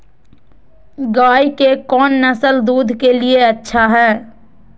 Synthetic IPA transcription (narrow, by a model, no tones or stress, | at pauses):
ɡaːikekɔːnːɐsəld̪uːd̪ʱkelieɐtːʃʰaɦɛː